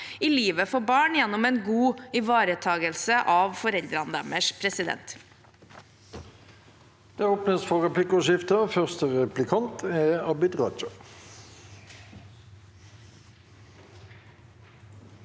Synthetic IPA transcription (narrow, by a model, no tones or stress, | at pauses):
ɪliːʋəfɔbɑːɳjɛnːʊmɛnɡuːɪʋɑːɾət̪ʰɑːɡəlsəʔɑːʋfɔɾɛld̪ɾɑnd̪æ̰məʂpʰɾɛsɪd̪ɛ̰nt̪ | d̪̥eːoːpnəsfɔʁɛpʰlɪkʊʃɪft̪əfœʁst̪əʁɛplɪkʰɑnt̪ʰɛɑbɪt̪ʁɑ̰ːt͡ʃə